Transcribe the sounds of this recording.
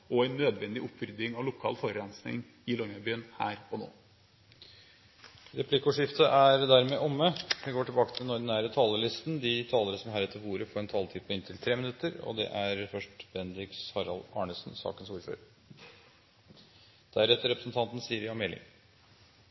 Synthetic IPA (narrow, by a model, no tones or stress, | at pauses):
ɔæɪnːøːd̪ʋɛnd̪ɪʔʊpʰʋɾʏd̪ɪŋɑʋlʊkʰɑ̰ːlfɔɾəɑnsnɪ̰ŋ | ɪlɔŋɑbyːənhæ̰ːɾɔno̰ː | ɾɛpʰlɪkʊʂɪft̪əʔæɾd̪æɾmeːʔɔmːəʋɪɡoːʈɪlbɑːkət̪ʰɪlnɔɾd̪næːɾət̪ʰɑːləlɪst̪nd̪ɪt̪ʰɑːləɾəsɔmɦæːɾɛt̪ːəɾʋuːɾəfoːɾɛnt̪ʰɑːlt̪ʰiːd̪pʰɔɪnt̪ʰɪlt̪ʰɾeːmɪnʉt̪ːəɾɔ̰d̪ɛ̰ʔæɾfœʂʈb̥ɛnd̪ɪksɑɾɑlɑːɳəsn̩sɑ̰ːkənsuːɾfø̰ːɾ | d̪̥æɾɛt̪ːəɾɛpɾəsnt̪ʰɑnt̪n̩siːəɾjɑmɛlɪ̰ŋ